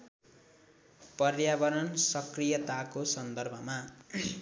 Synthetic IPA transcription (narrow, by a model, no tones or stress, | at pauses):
pʌrjabʌɾʌnsʌkrijʌt̪akosʌnd̪ʌrbʱʌma